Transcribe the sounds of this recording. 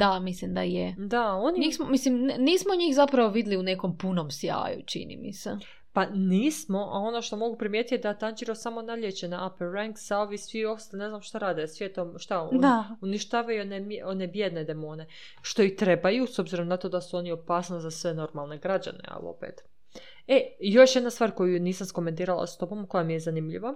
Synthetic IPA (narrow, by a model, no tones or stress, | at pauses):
d̪amislimd̪a̰jed̪ao̞niɲismomislimnniːsmoɲiːxzapɾaʋoʋid̪liuneko̞mpuno̞msja̰ːjut͡ʃḭnḭmḭse | paniːsmo̞ʔa̰o̞no̞ʃt̪o̞mo̞ɡupɾimje̞t̪it̪ed̪at̪and͡ʒiɾosamo̞naʎjet͡ɕenaʔapeɾaŋksaoʋisʋio̞st̪ane̞znamʃt̪aɾaːd̪esʋjet̪omʃt̪auniʃt̪aːʋajunemone̞bjed̪ne̞d̪e̞moːne̞ | ʃt̪o̞it̪ɾe̞bajuso̞bziɾo̞mnat̪od̪asuo̞nio̞paːsnozasʋe̞no̞ɾmalˠne̞ɡɾad͡ʑa̰ne̞̰a̰lo̞̰pḛːt̪ | ejo̞ʃje̞d̪nast̪ʋaːɾko̞juniːsamsko̞ment̪̬iːɾalˠa̰st̪o̞bo̞mko̞jamijezanimʎḭʋa